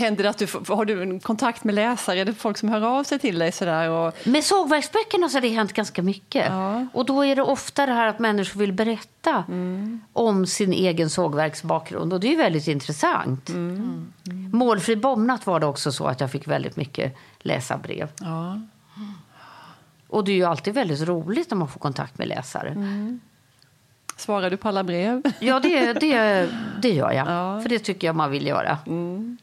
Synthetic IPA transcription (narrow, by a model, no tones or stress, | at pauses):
hɛnd̪əɾat̪̚d̪ɵfhaɖɵkʰɔnt̪ʰakt̪mɛlɛːsaɾəɛlɛfɔlksɔmɦœːɾɑːvsɛjt̪ʰɪld̪ɛjsɔd̪æːɾɔmɛsoːɡvæɾksbœkːəɳasɔad̪ɛɦɛnt̪ɡanskamʏkːə̰ʔɔd̪ɔæɖɛʔɔft̪ad̪ɛɦæːɾat̪mɛnːɪʂʊɾvɪlbɛɾɛt̪ːa | ʔɔmsɪnʔeːɡənsoːɡvæɾksbɑːk̚ɡɾɵ̰nd̪ɔd̪ɛjɵvɛld̪ɪt̪ɪnt̪ɾɛsa̰nt̪ | moːlfɾiːbɔmnat̪vaɖɛɔksɔsɔ̰a̰t̪jɑːfɪkːvɛld̪ɪ̰t̪mʏkːə̰lʔɛ̰ːsa̰bɾḛːv | ʔɔd̪ɛæɾjɵalt̪iːd̪vɛld̪ɪt̪ɾuːlɪt̪ɔmmanfoːkʰɔnt̪ʰa̰k̚t̪mɛ̰lʔɛ̰ːsa̰ɾə̰ | svɑːɾadɵpʰɔalːabɾeːvjɑːd̪ɛd̪ɛd̪ɛjœ̰ːɾja̰fœɖɛt̪ʰʏkːəjamanvɪljœ̰ːɾa̰